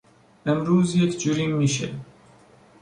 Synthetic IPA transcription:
emɾuːzjekʰd͡ʒuɾiːnmiːʃ̬ḛ

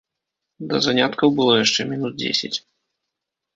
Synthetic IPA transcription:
d̪ɐzanʲat̪kɐwbɨlˠɔjaʂt͡ʂɛmʲinud̪̚d͡zʲḛsʲɪ̰t͡sʲ

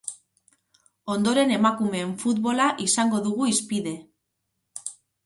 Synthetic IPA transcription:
o̞nd̪o̞ɾe̞ne̞makume̞ːɱfut̪βo̞laʔisaŋɡo̞ðuɣuispiðe̞

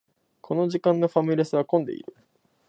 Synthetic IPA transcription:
kʰo̞no̞ʑikãnːo̞ɸamʲiɾʲesɨβakõ̞nd̪e̞̰ḭɾɯ̟

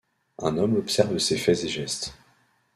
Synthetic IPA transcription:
ɛ̰̃nɔmɔpsɛʁvsefɛzeʒɛst̪

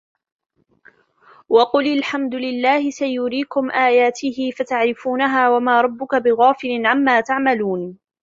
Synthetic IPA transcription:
wɑqʊlɪlħamd̪ʊlɪlːaːhɪsajʊɾiːkʊmʔaːjaːt̪ɪhɪfat̪aʕɾɪfuːnaɦaːwamaːɾˤɑbːʊkabɪɣaːfɪlɪnʕamːaːt̪aʕmaluːn

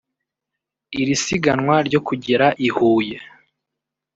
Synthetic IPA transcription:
iɾisiɡanŋwaɾɟo̞kuɟiɾaʔihuːje̞

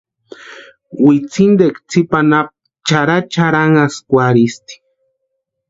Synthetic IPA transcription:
wit͡sind̪ekt͡sʰipanap̚ | t͡ʃaɾat͡ʃaɾaŋaskʷaɾist̪i̥

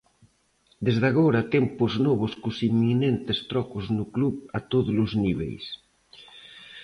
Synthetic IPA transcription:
d̪ezðaɣoɾat̪ɛmpʊznɔβ̞ʊskʊsimːinent̪est̪ɾɔkʊznʊkluβat̪oðʊlʊzniβḛjs

